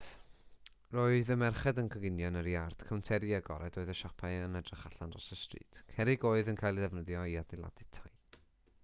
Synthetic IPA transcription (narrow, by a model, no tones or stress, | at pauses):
roːɨðəmɛrχɛdənkʰəɡɪnjɔnəɾjard̥kʰawntʰɛɾjaɡɔ̰ɾɛdoɨðəʃɔpʰaɨənɛdrɪχaɬanrɔ̰səstrḭːtʰkʰɛɾɪɡoːɨðənkʰajlˠðɛvnəðjɔiadɪlˠa̰dɪtʰaj